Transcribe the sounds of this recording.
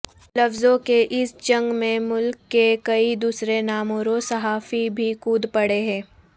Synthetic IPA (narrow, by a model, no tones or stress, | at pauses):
lɐfzõkeʔɪsd͡ʒɐ̃ŋɡmẽmʊlkːekɐid̪uːsɾenaːmoːɾosɐɦaːfibʱikuːd̪pɐɽeɦɛ̃ː